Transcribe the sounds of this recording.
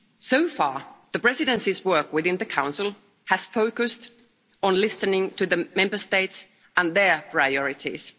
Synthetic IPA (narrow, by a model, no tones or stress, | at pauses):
soʊfɑɹðəpɹ̥ɛzɪɾɨ̃nsizwɜ˞kwɪðɪ̃nðɨkʰãʊ̃nsl̩ˠ | həz̥foʊkɨst | n̩lɪsɨnɪ̃ŋtʰɨðɨmɛ̃mbə˞steɪts | ʔə̃nðə˞pʰɹ̥aɪɔɹɪtḭz̥